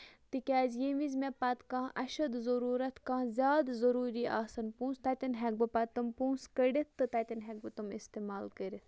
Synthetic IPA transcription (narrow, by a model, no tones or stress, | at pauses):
t̪ɨkʲaːzjeʋizmepɐt̪kãːʔɐʃɐd̪zɐɾuːɾɐt̪kãːzʲaːd̪zɐɾuːɾiʔaːsɐnpũːnst̪ɐt̪ʲɐnɦɛk̚bɨpɐt̪ɐmpũːskəɽʲit̪ʰːɨt̪ɐt̪ʲɐnɦɛk̚bɨt̪umḭst̪eːmaːlkəɾit̪ʰ